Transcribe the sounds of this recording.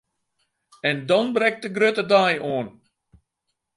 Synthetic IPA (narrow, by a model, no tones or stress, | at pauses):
ɛndɔnbrɛk̚dəɡrøtədajoən